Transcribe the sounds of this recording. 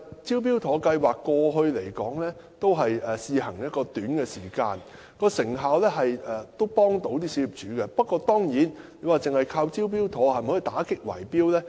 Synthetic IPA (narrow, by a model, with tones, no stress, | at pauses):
t͡siː˥wp̬iː˥wt̪ʰɔː˨˥kɐ˧jwaː˨kːɔː˧ɦɵ˧ɥle˨˩jkɔː˨˥ŋlɛː˥ | t̪o˥wɦɐ˨jɛ˨siː˨˧hɐ˨˩ŋjɐ˥t̚kɔː˧t̪yː˨˥nkɛː˧siː˨˩kaː˧n | kɔː˧sɪ˨˩ŋɦaː˨wlɛː˥ɦɐ˨jɛː˨t̪o˥wpɔː˥ŋt̪o˨˧˥wt̪iː˥si˨˥jyː˨p̚t͡ʃyː˨˥kɛ˧pɐ˥t̚kːɔː˧t̪ɔː˥ŋjiː˨˥nle˨˧jwaː˨˩t͡sɪ˨ŋhɐ˨jkʰaː˧wt͡siː˥wp̬iː˥wt̪ʰɔː˨˥hɐ˨jm̩˨ɔ˨˥i˨˧t̪aː˨˥kɪ˥k̚wɐ̰˨˩jpiː˥wlɛː˥